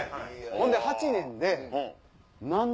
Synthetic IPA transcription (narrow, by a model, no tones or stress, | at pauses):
kõnd̪ehat͡ɕinẽ̞nd̪e | nãn